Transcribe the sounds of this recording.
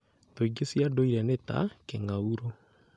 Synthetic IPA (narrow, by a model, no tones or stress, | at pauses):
toiɡesiadoiɾɛneta̰keŋauɾo